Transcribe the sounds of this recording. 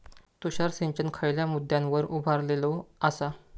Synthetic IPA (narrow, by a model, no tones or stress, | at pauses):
t̪uɕaɾseɲt͡ɕənkʰəjljamud̪ʱːjãnʋəɾʔubʱaɾleloasa